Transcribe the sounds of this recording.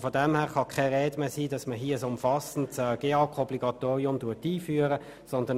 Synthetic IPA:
fɔdɛmhæːʁχɑkʰɛʁeːdmɛsiːdɑsməɦiːəəsʊmfɑsn̩tsɛɡ̥eːɑkʰɔbliɡ̥ɑt̪oːʁiʊmduːtiːfyːəʁə | sɔndən

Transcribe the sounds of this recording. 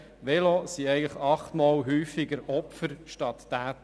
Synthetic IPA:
ʋɛlosiɛɪɡŋ̩ləχɑχt̪mɔːlɦyːfiɡəɾɔpfəɾʃtɑt̪ːæːt

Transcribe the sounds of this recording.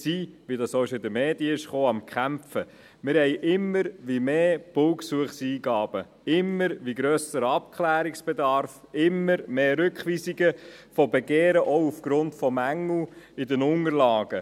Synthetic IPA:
siːʋidɑsoɪʃɪdəmeːdjəɪʃχoːɑmkχæmfə | mɪɾhɛɪʔɪmːəɾʋimeːb̥ʊwksuəχsiːɡɑːb̥ə | ɪmːəɾʋiɡɾøːsəɾɑp̚kχlæːɾiksb̥edɑɾfɪmːəɾmeːɾʏkχʋiːsiɡəfɔbeɡeːɾəʔɔʊufɡ̥ɾʊntfɔmæŋːl̩ɪdənʊŋəɾlɑːɡ̥ə

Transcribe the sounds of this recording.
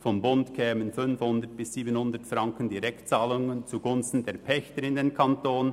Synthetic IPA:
fɔmbʊntkʰɛːmənfʏnfhʊndət̚b̥ɪsːiːbənhʊndətfrɑŋkəndiɾɛktt͡saːlʊŋənt͡suɡʊnstn̩deːɾpʰɛçtəɾɪndeːnkʰantoːn

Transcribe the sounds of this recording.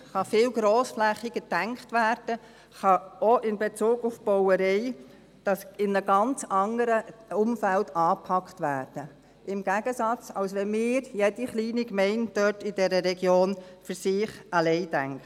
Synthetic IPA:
χɑfɪːlɡ̥ɾoːsflɛχiɡədæŋkχtʋæːɾd̥ə | χɑɔʔɪnbet͡suːɡʊfb̥ɔwəɾɛɪ | d̥ɑsɪnnəɡɑnt͡sɑŋəɾəʊmfældɑːpʰɑkχtʋæːɾd̥ə | ɪmɡ̥æɡ̥əsɑt͡sɑlsʋɛnmɪːɾjɛdiχliːnikmɛɪndœtɪd̥ɛɾəɾɛɡjoːnfɨɾsɪːχɑlɛɪdæŋkt

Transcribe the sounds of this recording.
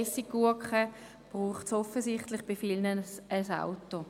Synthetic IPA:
sikuɐkχə | b̥ʁuːχtsɔfəsɪχtlɪχb̥ɪfilnəəsa̰ʊtːo

